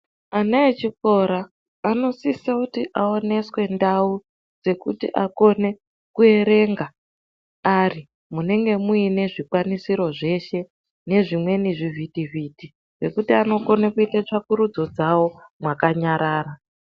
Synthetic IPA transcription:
anaet͡ʃiko̞ɾaː | no̞sisakutiʔao̞ne̞swe̞ndau | d͡ze̞kṵtḭʔako̞ne̞ | kue̞ɾe̞ːŋɡa | ari | mune̞ŋɡe̞muine̞ʐikwanisiɾo̞ʐe̞ʃe̞ | ne̞ʐimwe̞niʐivitiviti | ʐe̞kutiano̞ko̞nekuitat͡ʂakuɾud͡zo̞d͡zawo̞mwakaɲaɾaːɾa

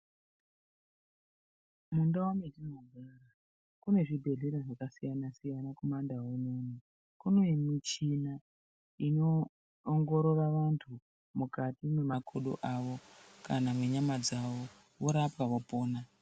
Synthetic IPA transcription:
mundaometinoɡʱara | kune̞ʐibʱe̞ɮiɾaʐakasijanasijanako̞mandaɦunoni | kuno̞imit͡ʃina | ino̞ː | ŋɡo̞ɾo̞raʋantʰu | mukatimwe̞makʰoɗo̰ʔaʋo̞kanamweɲamad͡zaʋo̞ | woɾapaʋopo̞ːna

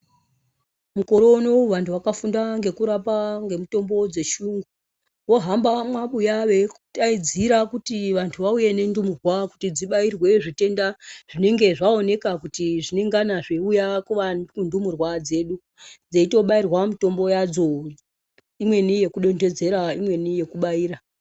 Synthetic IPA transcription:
muko̞ɾo̞noʋantuwakafundaŋɡe̞kuɾapaŋɡe̞muto̞mbo̞d͡ze̞ʃuːŋɡu | wo̞ɦambamwaɓujaʋe̞kutaid͡ziɾakutiʋantʰuʋauje̞ne̞ndumurwaku̥tid͡ziɓairwe̞ʐite̞ndaʐ̥ine̞ŋɡe̞ʐao̞ne̞kakutiʐine̞ŋɡanaʐeujakuʋanundumurwad͡ze̞ɗu | d͡zeito̞ɓairwamito̞mbo̞jad͡zo̞ | imwe̞nije̞kuɗo̞nde̞d͡ze̞ɾaimwe̞nije̞kuɓaiːɾa

